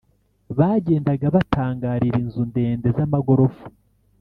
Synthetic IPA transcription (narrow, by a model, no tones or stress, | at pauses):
βaːɟe̞ːndaɡaβataːŋɡaːɾiɾinzunde̞ːnde̞zamaɡo̞ɾo̞fu̥